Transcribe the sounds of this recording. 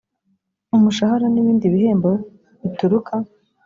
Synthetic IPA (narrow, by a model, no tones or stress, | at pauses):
umuʃahaɾaniβiːndiβiɦeːmbo | βituɾukʰa